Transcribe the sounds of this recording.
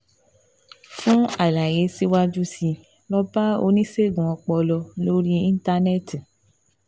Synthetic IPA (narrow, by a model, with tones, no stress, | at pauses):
fũ˦a˨la˨ɾe˨˦si˦wa˦d͡ʒu˦si˧ | lɔ˧ba˦o̰˧nĩ˦se˦˨ɡũ˨ɔ˧k͡pɔ˧lɔ˧lo˦ɾi˦ĩ˦n˦ta˧nɛ˦ti˨